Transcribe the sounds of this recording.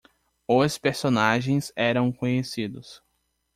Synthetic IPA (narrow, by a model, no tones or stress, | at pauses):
ʊspeɾsõnaʒẽj̃zɛɾɐ̃w̃kõɲesid̪ʊs